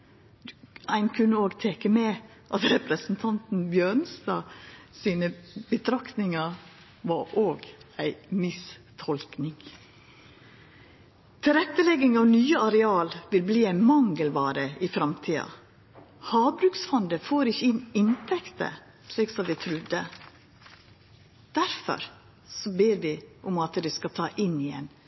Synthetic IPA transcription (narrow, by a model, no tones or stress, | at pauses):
æɪnkʰʉnːəoːɡt̪ʰɛːkəmɛ | ʔɑt̪ɾɛpɾəsn̩t̪ʰɑnt̪n̩bjøɳst̪ɑːsiːnəbət̪ʰɾɑkt̪nɪŋɑ | ʋɑʔoːɡæɪmɪst̪ʰɔlknɪŋ | t̪ʰɪɾɛt̪ːəlɛɡɪŋɑʋnyːəɑɾɛɑːlʋɪlbliːæɪnmɑŋɡəlbɑːɾəɪfɾɑmt̪ʰiːɑ̰ | hɑːbɾʉːksfɔnd̪əfoːɾɪçːəɪnɪnt̪ʰɛkt̪ə̰ | ʃliːksɔmʋɪt̪ʰɾʉd̪ːə | d̪̥æɾfɔ̰ɾ | sɔbeːɾʋɪʔʊmɑt̪d̪ɛskɑt̪ʰɑːʔɪnːɪɛ̰n